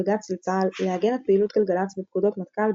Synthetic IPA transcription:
ɡat͡slt͡salːeaɡenet̪̚peilut̪ʃelɡalat͡sbep̚kud̪o̞t̪mat̪kal

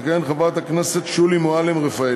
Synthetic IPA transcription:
kaenχabat̪aknese̞t̪ʃulimoalemʁefae

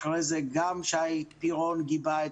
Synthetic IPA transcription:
ʁezeɡamʃeaipiʁonɡibae

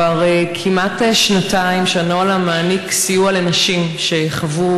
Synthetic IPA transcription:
aʁekʰimateʃnataimʃanoalamaːniksijualanaʃimʃejaχavu

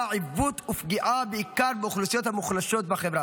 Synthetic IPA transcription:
ʕivut̪ufɡiʔabeikaʁbeuχlusijo̞t̪hamuχlaʃo̞t̪̚baχevʁa

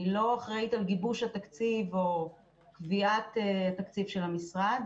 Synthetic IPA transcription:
lo̞aχʁeit̪alɡibuʃhat̪akt͡sivo̞ | kviat̪eat̪akt͡sivʃelhamisʁad̪

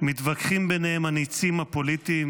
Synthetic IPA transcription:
mit̪vakχimbenehemhanit͡simhapo̞lit̪im

